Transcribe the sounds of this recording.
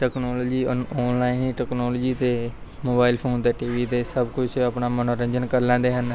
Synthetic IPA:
ʈɛːknoːloːd͡ʒiːɔːnlaːiniːʈɛːknoːloːd͡ʒiːt̪eː | moːbaːɪlpʰoːnt̪eːʈiːʋiːt̪eːsəbkʊd͡ʒʰəpnaːmənoːɾə̃ɲd͡ʒənkəɾlɛ̃ːnd̪eːɦən

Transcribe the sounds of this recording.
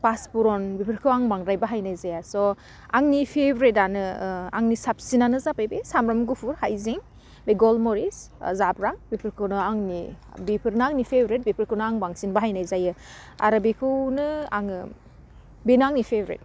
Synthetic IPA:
paspuɾɔnbipʰiɾkʰɯwaŋbaŋɾajbaɦajnajzajasɔ | aŋnipʰebɾetanɯa̰ŋnisap̚sinanɯzapajbesamɾɔmɡupʰuɾhajziŋ | beɡɔlmɔɾiszabɾaŋbipʰiɾkʰɯnɯaŋni | bipʰiɾnɯaŋnipʰebɾet̚bipʰiɾkʰɯwnɯaŋbaŋsinbaɦajnajzajɯ | a̰ɾɯbikʰɯwnɯa̰ŋɯ | benaŋnipʰebɾḛt̚

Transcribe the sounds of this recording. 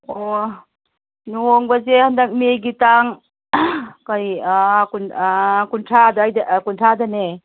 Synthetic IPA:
o | noŋbazehandak̚meɡitaŋ | kajkunkuntʰadajdkuntʰadane

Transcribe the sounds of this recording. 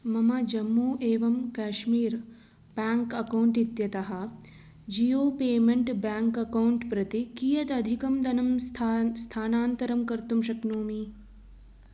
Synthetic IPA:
mɐmɐd͡ʒɐmːuːʔeːʋɐmkaːʃmiːɾ | b̥aːŋkɐkɐwuɳʈit̪jɐt̪ɐɦɐ̆ | d͡ʒioːpeːmeɳʈbaːŋkɐkɐwuɳʈpɾɐt̪ikijɐt̪ɐd̪ʱikɐmd̪ɐnɐmst̪ʰaːnaːnt̪ɐɾɐmkɐɾt̪umʃɐknoːmi

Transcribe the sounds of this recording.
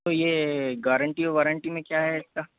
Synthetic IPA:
t̪ojeɡaːɾəɳʈioʋaːɾəɳʈimẽkjaːɦɛɪska

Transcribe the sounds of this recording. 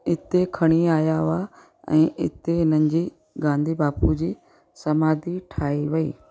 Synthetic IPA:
ɪt̪ekʰɐɽ̃iaːjaa | ɛ̰̃ːʔɪ̰t̪eɪnə̃ɲd͡ʑiː | ɡãːnd̪ʱibaːpud͡ʑiː | sɐmaːd̪ʱiʈʰaːiʋɐḭː

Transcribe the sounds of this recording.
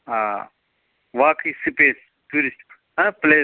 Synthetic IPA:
ɦaː | ʋaːkʰiːsipeːs | tuːɾisʈ | ɐ̃pleː

